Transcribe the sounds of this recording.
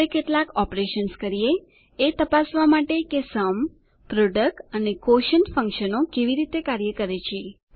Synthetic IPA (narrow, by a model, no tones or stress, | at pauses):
ekeʈlakɔpɾeʃənskəɾieː | t̪əpasʋamaʈekesəm | pɾoɖək̚ʈənekoʃənfə̃ŋkʃənokeʋiɾit̪ekaɾjəkəɾet͡ʃʰie